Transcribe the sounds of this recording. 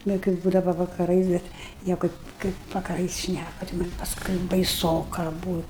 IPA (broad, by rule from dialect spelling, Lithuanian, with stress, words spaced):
nʊ kɐɪ ˈbuːdɐʋɐ ʋɐkɐˈrɐɪs ˈbʲɛt ˈnʲiɛkoː ˈkɐɪp ʋɐkɐˈrɐɪs ˈʃʲnʲækʊ tʲɪ ˈmɐnʲ pɐsˈkʊɪ bɐɪˈsoːkɐ ˈbuːtʲ